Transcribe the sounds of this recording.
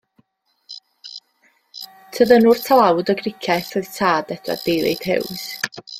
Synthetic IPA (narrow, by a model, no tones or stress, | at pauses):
tʰəðənuːrtʰalˠawdɔɡrɪkʰaθəðtʰaːdɛdwa̰db̥ejðḛjd̥hɪ̰ws